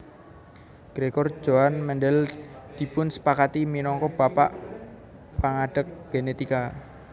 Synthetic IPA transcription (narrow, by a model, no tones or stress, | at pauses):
ɡ̥ɾekɔrd͡ʒ̥oanmɛnɖɛld̪̥i̤pʊnsə̥pakat̪iminɔŋkɔb̥apa̰ʔ | paŋaɖ̥ək̚ɡ̥enet̪ika